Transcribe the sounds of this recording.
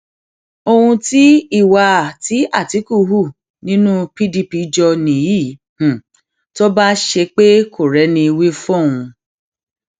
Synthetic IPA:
o˧hũ˧ti˦i˦˨wa˧˨ti˨˦a˦˨ti˨˦ku˦ɦu˦˨ | nĩ˦nũ˦pi˦di˧pi˧˦d͡ʒɔ˧nĩ˨ji˦˨ | h̩˨ | to˦ba˦ʃe˧k͡pe˦kʰo˨ɾɛ˨˦nĩ˧i˧wi˦fɔ̃˦˨ũ˧

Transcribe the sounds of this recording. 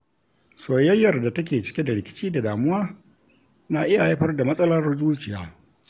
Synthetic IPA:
soː˨jɐ˦jːɐ˨rda˨tɐ˦k̬ʲeː˨t͡ʃɪ˦kʲe˦da˨ɽɪ˨kʲɪ̥˦t͡ʃiː˦da˨daː˨mʊ˦waː˦ | naː˨ʔɪ˦ja˨jɐ˦ɸɐ˦rda˨mɐ˦sʼɐ˦lɐ˦rzuː˦t͡ʃɪ˨jaː˨˦

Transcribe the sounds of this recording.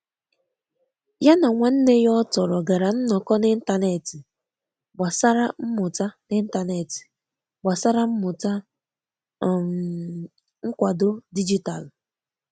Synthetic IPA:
ja˦na˨ŋʷa˦n̩˦ne˦jɔ˦tɔ˨ɾɔ˨ɡa˨ɾa˨n̩˦nɔ˨kɔ˦nɪ˦n̩˦ta˦ne˨ti˨ | ɡ͡ba˨sa˦ɾa˦m̩˦mʊ˨ta˦nɪ˦n̩˦ta˦ne˨ti̥˨ | ɡ͡ba˨sa˦ɾa˦m̩˦mʊ˨ta˦˨ | ŋ̩˦kʷa˨do˦di˦d͡ʒi˦ta˨l

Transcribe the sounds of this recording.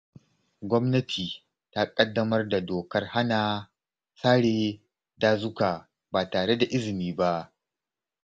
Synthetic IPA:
ɡʷɔ˦mnɐ˦tʰiː˨ | ta˦kʼɐ˦dːɐ˦mɐ˦rda˨doː˨kɐ˦rha˦naː˨ | saː˦ɽeː˨ | daː˦zʊ˦ka˨ | baː˨taː˨ɽe˦da˨ʔɪ˦zɪ˨niː˦ba˦ʔ

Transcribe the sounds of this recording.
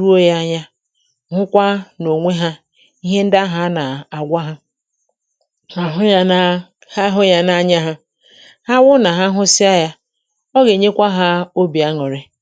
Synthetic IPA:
u˦o˦ja˦ɲa˦ | ɦʊ˦kʷa˦no˨ŋʷe˦ɦa˦ | i˦ɦe˦n̩˦da˦ɦa˦na˨a˨ɡʷa˦ɦa˦ | a˨ɦʊ˦ja˦ | ha˦ɦʊ˦ja˦na˦ɲa˦ɦa˦ | ha˦wʊ˦na˨ɦa˦ɦʊ˦sɪ˦a˦ja˦ | ɔ˦ɣe˨ɲe˦kʷa˦ɦa˦o˦bi˨a˦ŋɔ˨ɾe˦

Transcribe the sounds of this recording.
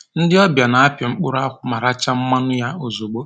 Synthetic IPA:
n̩˦dɪ˦ɔ˦bja˨na˨a˦pjɪ˨ŋ͡m̩˦k͡pʊ˦ɾʊ˦a˦kʷʊ˦ma˨ɾa˦t͡ʃa˦m̩˦ma˦nʊ˦ja˦o˨zo˨ɡ͡bo˦

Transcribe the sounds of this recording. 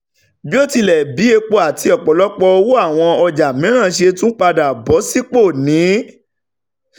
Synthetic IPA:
bi˦o˦˨ti˧lɛ˨bi˨˦e˧k͡po˧a˨tʰi˧ɔ˨k͡pɔ˨lɔ˨˦k͡pɔ˧o˧wu˦a˦˨w̃ɔ̃˧ɔ˧d͡ʒa˨mĩ˨˦ɾ̃ã˦˨ʃe˧tũ˦k͡pa˧da˨bɔ˨˦si˦k͡po˦˨nĩ˨˦

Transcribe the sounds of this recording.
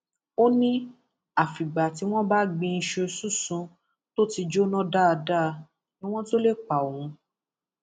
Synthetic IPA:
o˦nĩ˦ | a˦˨fi˨ɡ͡ba˨ti˨˧w̃ɔ̃˦ba˦ɡ͡bĩ˧n̩˧ʃe˧su˦˨sũ˧˦ | to˦ti˧d͡ʒo˦nɔ̃˦da˦˨˧da˦˧ | nĩ˦w̃ɔ̃˦to˦le˦˨k͡pã˨ũ˨˧˦

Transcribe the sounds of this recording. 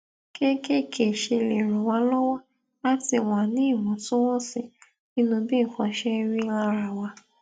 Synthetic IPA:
ke˦ke˦˨kʰe˨ʃe˧le˨ɾ̃ũ˨wa˧lɔ˦wɔ˦ | la˦ti˧˨w̃a˨nĩ˨˦i˦˨wɔ̃˨˦tũ˦wɔ̃˦sĩ˧ | nĩ˦nũ˧bi˦˨kɔ̃˧ʃɛ˦ɾ̃ĩ˦la˧ɾa˧wa˧

